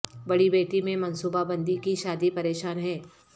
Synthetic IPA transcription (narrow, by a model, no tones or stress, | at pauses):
bɐɽibeːʈimẽmɐnsuːbabɐ̃nd̪ikiʃaːd̪ipɐɾeːʃaːnɦɛː